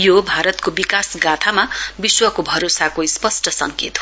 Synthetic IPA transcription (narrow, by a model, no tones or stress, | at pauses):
jobʱaɾʌt̪kobikasɡat̪ʰamabiswʌkobʱʌɾosakoispʌsʈʌsʌ̰ŋkḛt̪o